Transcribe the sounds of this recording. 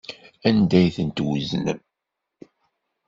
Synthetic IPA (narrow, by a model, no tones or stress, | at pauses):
ænd̪æjθənt̪wəznə̰m